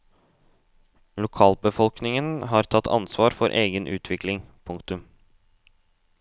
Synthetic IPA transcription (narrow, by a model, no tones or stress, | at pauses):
lʊkʰɑːlbəfɔlknɪŋənɦɑːɾt̪ʰɑt̪ʰːɑ̰nsʋɑːɾfɔɾʔeːɡənʔʉːt̪ʰʋɪklɪŋpʰʊŋkt̪ʉm